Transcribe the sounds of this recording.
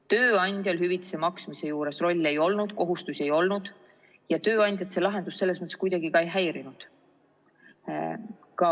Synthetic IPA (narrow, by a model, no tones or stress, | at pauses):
t̪ø̞ːɑnʲd̪̥ʲjolɦyvit̪ːˑi̥se̞mɑksmise̞juːɾe̞sro̞lʲːe̞jo̞lnud̪̥ko̞ɦust̪usʲe̞jo̞lnud̪̥ | jɑt̪ø̞ːɑnʲd̪̥ʲjɑt̪se̞lɑɦe̞nd̪usːe̞lːe̞s̬mɤt̪ːskujd̪ɑɡikɑe̞jɦæjɾinud̪̥ | kɑ